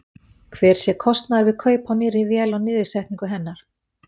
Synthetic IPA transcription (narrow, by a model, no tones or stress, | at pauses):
kʰvɛːɾ̥sjɛkʰɔst̪naɾvɪðkʰœːɥpawnɪːɾɪvjɛːlawnɪːðɪsɛjht̪niŋkʏɦɛnːaɾ̥